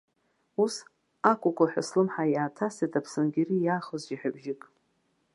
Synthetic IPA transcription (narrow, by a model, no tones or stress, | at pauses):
us | akʷʼʊkʷʰʼaħʷᶣa̰slɨmħajaːtʰasetʰapʰsɨnɡʲirijaːχəzd͡ʒiħᶣabʒɪkʼ